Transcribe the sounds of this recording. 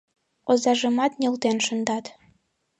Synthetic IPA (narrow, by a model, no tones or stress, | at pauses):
ozɑʒɤ̆mɑt̪nʲelt̪enʃə̆nd̪ɑt̪